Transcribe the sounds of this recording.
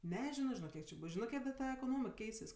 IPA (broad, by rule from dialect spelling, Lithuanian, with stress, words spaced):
nʲɛˈʒʲɪnoː ʒʲɪˈnoːk ˈkʲiɛk t͡ʃʲɪ ˈbʊs ˈʒʲɪnɜ ˈkʲiɛk dɐ ˈtɐ ɛkoːˈnoːmʲɪk ˈkʲɛɪsʲɪs